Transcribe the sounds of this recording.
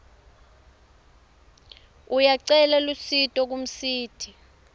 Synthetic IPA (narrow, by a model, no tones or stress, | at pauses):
ujaǀɛlalusitʼɔk̬um̩siːtʰi